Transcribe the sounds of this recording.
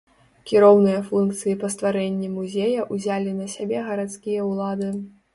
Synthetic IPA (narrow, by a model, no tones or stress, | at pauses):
kʲiɾɔwnɨjɐfunk̚t̪sɨjipɐst̪vaɾɛnʲːimuzʲejɐʔuzʲalʲinɐsʲabʲɛɣɐɾat̪skʲijɐwlˠad̪ɨ